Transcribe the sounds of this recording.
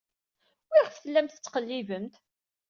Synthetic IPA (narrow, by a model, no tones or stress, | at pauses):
wɪʁθəlːæmt̪ət͡sːqəlːivənt̪